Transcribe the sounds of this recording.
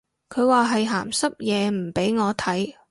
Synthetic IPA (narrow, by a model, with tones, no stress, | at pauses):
kʰɵ˨˧ɥwaː˨ɦɐ˨jɦa̰ː˨˩msɐ˥p̚jɛː˨˧m̩˨˩pe˨˥jŋɔː˨˧t̪ʰɐ˨˥j